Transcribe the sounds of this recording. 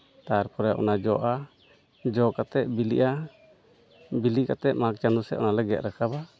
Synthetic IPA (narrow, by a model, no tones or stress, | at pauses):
t̪aaɾpɔɾɛʔɔ̰nad͡ʒɔʔa | d͡ʒɔkat̪ɛʔ̚bilḭʔa | biliʔkat̪ɛʔ̚mak̚t͡ʃand̪usɛ̰ʔʔɔ̰nalɛɡɛt̪̚ɾakaba